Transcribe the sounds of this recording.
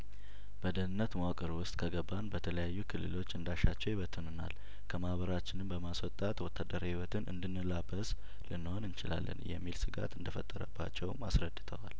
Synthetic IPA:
b̥əd̪ənɨnːət̪maakʼɨɾwʊst̪ʼkʰəɡəbanbət̪ʰələjajːukʰɨlːɨ̰lo̞t͡ʃːɨnd̪aʃat͡ʃːɛwjɪβət̪ʰːɨnɨna̰l | kʰəmahbəɾat͡ʃːɪnɨmbəmaswɔt̪ʼat̪wɔt̪ʰːad̪əɾahiwɔt̪ʰɨnʔɨ̰nd̪ɨnːɨlabəs | lɨnːɨho̞nɨnt͡ʃɪla̰lːə̰njɛ̰mːilsɨɡa̰t̪ɨnd̪əfət̪ʼːəɾəbːa̰t͡ʃːɛwmasɾəd̪ːɨt̪ʰəwal

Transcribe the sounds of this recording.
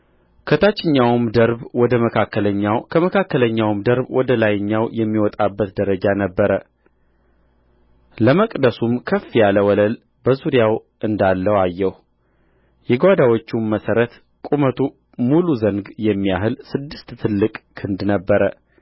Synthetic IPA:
kʰət̪ʰat͡ʃːɪɲːawmd̪əɾbwɔd̪əməkʰakːələɲːawkʰəməkʰakːələɲːawmd̪əɾbwʔɔd̪əlajɲːawjɛmːiwɔt̪ʼabːət̪d̪əɾəd͡ʒanəbːəɾə | ləməkʼd̪əsumkʰəfːijaləwɔləl | bəzuɾijaw | ɨnd̪alːəwajːɛh | jɛɡwad̪awot͡ʃːumːəsəɾət̪ | kʼumət̪ʰu | muluzəŋɡjɛmːijaɦɨlsɨd̪ːɨst̪ːʰɨlːɨkʼkʰɨnd̪nəbːəɾə

